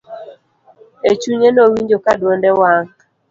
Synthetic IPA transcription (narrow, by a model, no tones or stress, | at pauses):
et͡ʃuɲenowiɲd͡ʒokadwɔndɛwaŋ